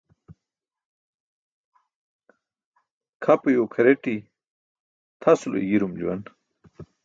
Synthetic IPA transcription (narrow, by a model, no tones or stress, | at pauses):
kʰɐpujokʰɐɾeʈi | t̪ʰɐsulo̰jiɾumd͡ʑuwɐ̰n